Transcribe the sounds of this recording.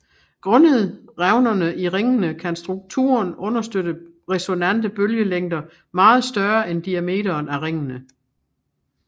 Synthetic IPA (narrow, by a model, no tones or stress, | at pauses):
ɡ̥ʁɔ̽nəð̩ˠʁaʊnɐnəʔiʁeŋənəkʰænsd̥ʁuɡ̥̚t͡sʰṵɐnɔ̽nɐsd̥ød̥ə | ʁɛsonænd̥əb̥øljəleŋ̰d̥ɐ | mɑ̈ːð̞̩ˠsd̥ɶɐʔend̥iæmḛːdɐːnæʁeŋənə